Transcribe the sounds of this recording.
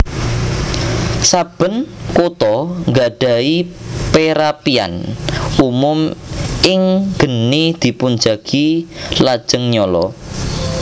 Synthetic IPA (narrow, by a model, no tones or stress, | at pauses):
sab̥ə̤nkot̪ɔŋɡaɖ̥a̤ipeɾapia̰numʊmɪŋɡ̥ə̤nid̪̥i̤pund͡ʒa̤ɡ̥ilad̥ʒ̥əŋɲɔlɔ̰